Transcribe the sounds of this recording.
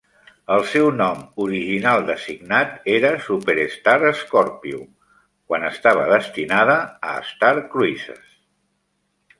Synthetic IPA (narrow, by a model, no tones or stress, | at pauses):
əlˠsɛwnɔmuɾiʒinalˠd̪əsiɡnat̪eɾəsupeɾest̪aɾəskɔɾpiu | kwanəst̪aβ̞əðəst̪inað̞əə̰ːst̪aɾkɾuisə̰s